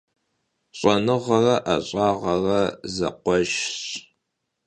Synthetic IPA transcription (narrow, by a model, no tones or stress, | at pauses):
ɕʼɐnɨʁɐrɐʔaɕʼaːʁɐrɐzɐ̰qʷɔʒɕ